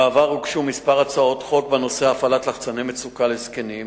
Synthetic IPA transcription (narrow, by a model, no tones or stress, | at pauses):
aːvaʁhukʃumispaʁat͡sao̞t̪χo̞k̚benoseaafalat̪laχt͡sanemet͡sukaleskenim